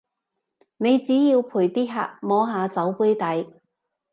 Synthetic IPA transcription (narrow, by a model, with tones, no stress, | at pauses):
ne˨˧jt͡siː˨˥jiː˧wpʰuː˨˩jt̪iː˥ɦa̰ː˧˩t̚mɔː˨˥ɦaː˨˧t͡sɐ˨˥wpu˨˥jt̪ɐ˨˥j